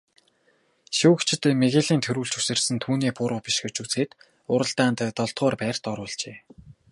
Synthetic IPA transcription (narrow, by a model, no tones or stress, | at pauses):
ʃuːkt͡ɕʰɪ̆t̪ːmeɣeːɮiːnt̪ʰɵɾuːɮt͡ɕu̥sɘ̆rsɘ̆nt̪ʰuːniːpʊɾʊːpiʃxɵt͡ɕuːt͡seːt̪ | ʊɾə̆ɮt̪aːnt̪t̪ɔɮt̪ɢɔːrpæːr̥t̪ɔɾʊːɮt͡ɕeː